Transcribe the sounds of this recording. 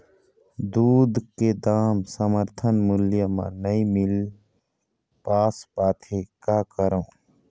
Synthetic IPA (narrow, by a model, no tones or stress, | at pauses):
d̪uːd̪ked̪aːmsəməɾt̪ʰənmʊljəmã̰nəĩmɪl | paːspaːt̪ʰekakəɾõː